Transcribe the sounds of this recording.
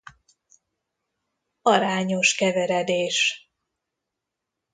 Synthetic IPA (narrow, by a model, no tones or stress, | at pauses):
ɒɾaːɲo̞ʃkɛvɛɾɛd̪eːʃ